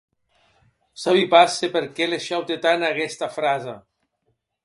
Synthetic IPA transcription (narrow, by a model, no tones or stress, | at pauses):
saβipasepeɾkɛleʃawt̪et̪anaɣɛst̪afɾaza